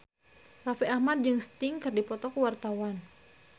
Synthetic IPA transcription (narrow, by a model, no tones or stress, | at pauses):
rafiʔahmad̪̚d͡ʒɨŋst̪ɪŋkɨrdipɔt̪ɔkəwart̪awan